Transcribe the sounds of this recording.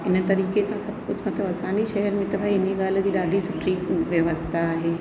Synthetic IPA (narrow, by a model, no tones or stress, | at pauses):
ɪnt̪ɐɾiːkesãsɐb̚kʊd͡ʑmɐt̪ʰləbɐsãːniʃɛɦɛɾmẽt̪ɐbʱaːiɪnẽɡaːld͡ʑiːɗaːɖʱisʊʈʰɾiʋjɐʋəst̪ʰaːɦeː